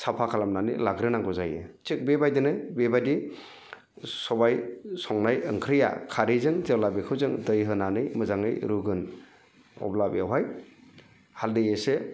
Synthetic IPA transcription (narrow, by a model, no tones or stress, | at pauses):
sapʰakʰalamnanḭlaɡɾɯnaŋɡɔzajɯ̰t͡ʃik̚bebajdɯnɯbebajdi | sɔbajsɔŋnajɯŋkʰɾɯja̰kʰaɾizɯŋzewlabikʰɯwzɯŋdɯjɦɯnanɯjmɯzaŋɯjɾuɡɯn | ɔ̰blabiawɦaj | haldɯjese